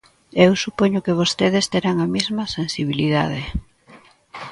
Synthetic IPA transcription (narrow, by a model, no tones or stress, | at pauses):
ewsupoɲʊkeβ̞ost̪eðest̪eɾaŋɐmezmɐsensiβiliða̰ðe